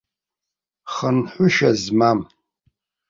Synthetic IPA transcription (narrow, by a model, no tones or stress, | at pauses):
χənħʷʊʃazmam